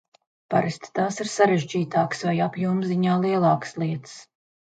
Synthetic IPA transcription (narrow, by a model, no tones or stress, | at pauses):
paɾɪsʲt̪t̪aːsiɾsaɾeʒd͡ʒiːt̪aːksvajapjuːmziɲaːlˠiɛlˠɑːkslˠiɛt̪s